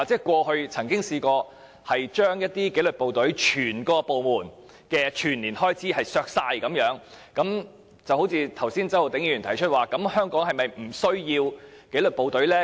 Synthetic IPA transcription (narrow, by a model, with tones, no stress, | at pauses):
a˨t͡sɛː˨˥kʷwɔː˧hɵ˧ɥt͡sʰɐ˨˩ŋkɪ˥ŋsiː˧kɔː˧ | hɐ˨jt͡ʃœː˥ŋjɐ˥t̚t̪iː˥ke˨˥jlɵ˨t̚po˨wt̪ɵ˨˥ɥt͡ʃʰyː˨˩nkɔː˧po˨wmuː˨˩n | kɛː˧t͡ʃʰyː˨˩nliː˨˩nhɔː˥jt͡siː˨˥hɐ˨jsœː˧k̚saː˧jkɐ˨˧˥mjœː˨˥ŋkɐ˨˥m | t͡sɐ˨who˨˥wt͡sʰiː˧t̪ʰɐ˨˩wsiː˥nt͡sɐ˥who˨wt̪ɪ˨˥ŋjiː˧˩y˨˩t̪ʰɐ˨˩jt͡ʃʰɵ˥t̚waː˨˩kɐ˨˥mhœː˥ŋkɔː˨˥ŋɦɐ˨jmɐ˨jm̩˨˩sɵ˥ɥjiː˧wke˨˥jlɵ˨t̚po˨wt̪ɵ˨˥ɥlɛː˥